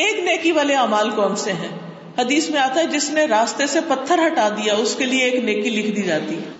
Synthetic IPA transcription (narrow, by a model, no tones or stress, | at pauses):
eːkneːkiʋaːleaːmaːlkɔːnseɦɛ̃ː | hɐd̪iːsmẽaːt̪aɦɛd͡ʒɪsneɾaːst̪esepɐt̪ʰːəɾɦɐʈaːd̪ijaʊskelieeːkneːkilɪkʰd̪iːd͡ʒaːt̪iɦɛ